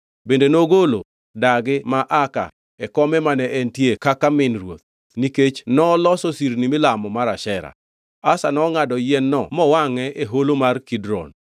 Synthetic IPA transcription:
bendenoɡolo̰ | daɡɪmaʔaka̰ | ɛkɔmɛmanɛʔɛntjekakamɪnrwo̰t̪̚ | niket͡ʃnɔlɔsosiɾnimɪlamɔmaɾaʃɛɾa̰ | asanɔŋadɔjɛnːɔmɔwaŋɛeɦolomarkidɾɔ̰n

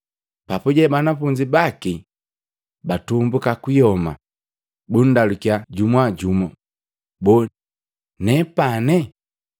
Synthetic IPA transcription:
papuɟɛbanafuɲd͡ʒibaki | batumbukakijɔma̰ | bun̩dalukiaɟumwaɟumɔ | bɔ | nɛpanɛ

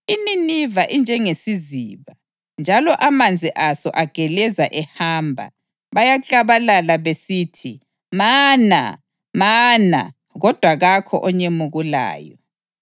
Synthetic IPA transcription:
ininivaʔind͡ʒʱɛŋesiziːβa | nd͡ʒʱalɔʔamand͡zʱiʔasɔ̰ʔaɡ̥ʱɛlɛzaʔɛhaːmbʱa̰ | βajat͡ɬʼaβalalaβesiːtʰi | maːna̰ | maːna̰ | ɣɔd̥ʱwaɣakʰɔ̰ʔɔɲemuɣula̰ːjɔ

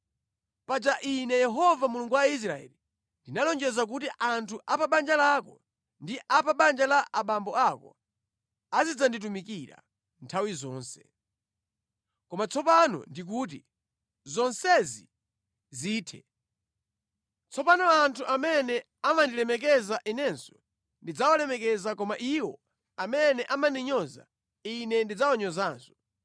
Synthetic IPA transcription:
pad͡ʒaʔinɛjɛɦɔvamuluŋɡuwais̬ɾaɛ̰li | ndinalɔnd͡ʒɛzak̬utiʔantʰuʔapaɓand͡ʒalakɔ | ndiʔapaɓand͡ʒalaʔaɓambɔakɔ̰ | azid͡zandit̬umikiɾa̰ | ntʰawizɔːnsɛ̥ | kɔmat͡sʰɔpanɔ̰ndik̬uːt̬i | zɔnsɛzi | ziːtʰɛ | t͡sʰɔpanɔantʰuʔamɛnɛ | amandilɛmɛk̬ɛzaʔinɛnsɔ | ndid͡zawalɛmɛkɛzakɔmaʔiwɔ̰ | amɛnɛʔamandiɲɔza̰ | inɛndid͡zawaɲɔzaːnsɔ̥

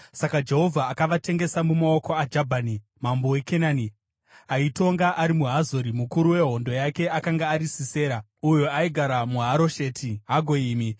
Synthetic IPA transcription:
sakad͡ʒe̞ɦo̞vʱaːkaʋate̞ŋɡe̞samumao̞ko̞ad͡ʒabʱani | mambo̞we̞kenaːni | aito̞ŋɡaʔaɾimuɦazoɾimukuɾuwe̞ɦo̞ndo̞jake̞akaŋɡaːɾisise̞ːɾa | ujuaiɡʱaɾamuɦaɾo̞ʃe̞tʰiɦaɡʱo̞iːmi

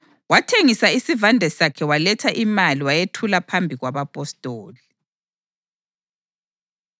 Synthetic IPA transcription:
watʰeŋisaisivandʱɛsakʰɛwalɛtʰaʔimaliwajetʰulapʰambʱiɣwaβapʼɔstʼoːli

